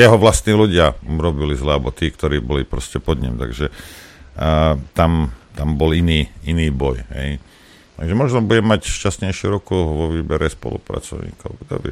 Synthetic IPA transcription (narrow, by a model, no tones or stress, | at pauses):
jɛɦɔʋlast̪niːluɟɪauɾɔbilizlɛabɔt̪iːkt̪ɔɾiːbɔlipɾɔscɛpɔd̪ɲḭmt̪a̰ɡʒɛ | t̪amt̪ambɔliniːiniːbɔjɦɛ̰j | t̪aɡʒɛmɔʒnɔbuɟɛmːacʃcasɲɛjʃɪuɾɔkuʋɔʋiːbɛɾɛspɔ̰lṵpɾa̰t͡sɔ̰ʊɲḭːkɔʊɡd̪ɔ̰bɛ